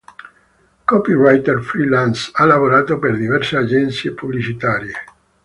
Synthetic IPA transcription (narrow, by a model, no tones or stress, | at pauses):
kɔpirajt̪erfɾilansalːavoɾaːt̪operd̪ivɛrsead͡ʒɛnt̪sjepublit͡ʃit̪aːɾje